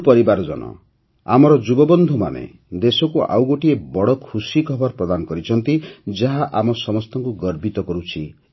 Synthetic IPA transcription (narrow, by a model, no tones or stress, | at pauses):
pɔɾibaɾɔd͡ʒɔ̰nɔ̰ | a̰mɔɾɔd͡ʒubɔbɔnd̪ʱumanḛ | d̪esɔkuʔa̰wɡoʈiebɔɽɔkʰusikʰɔbʱɔɾpɾɔd̪anɔkɔɾit͡ʃʰɔnt̪id͡ʒaɦaʔamɔsɔmɔst̪ɔŋkuɡɔɾbit̪ɔkɔɾut͡ʃʰi